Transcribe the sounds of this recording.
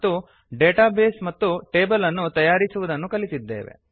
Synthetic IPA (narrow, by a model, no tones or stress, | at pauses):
t̪ːu | ɖeːʈaːbe̞ːsmɐt̪ːuʈe̞ːbɐlɐnːut̪ɐjaːɾisuʋud̪ɐnːukɐlit̪id̪ːeːʋe̞̰